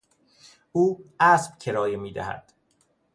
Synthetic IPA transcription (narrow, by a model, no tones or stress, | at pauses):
uːʔæsb̥cʰe̞ɾɒːjemiːd̪æ̰hæ̰d̪̥